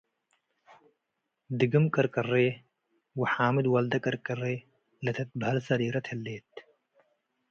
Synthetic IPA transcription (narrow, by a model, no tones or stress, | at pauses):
d̪iɡɨmkɐɾkɐreː | wɐħaːmid̪wɐld̪ɐkɐɾkɐreː | lɐt̪ʰɐt̪̚bʱɐlsɐɾiːɾɐt̪ʰhelːeːt̪̚